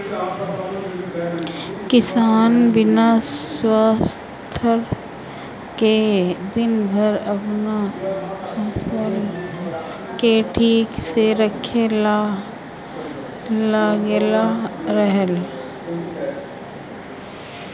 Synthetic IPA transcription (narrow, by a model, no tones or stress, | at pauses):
kɪsaːnbɪnaswaːs | t̪ʰəɾ | ked̪ɪnbʱəɾɐpna | ɐsəl | keʈʰiːkseɾəkʰel | laːɡelaɾəɦəl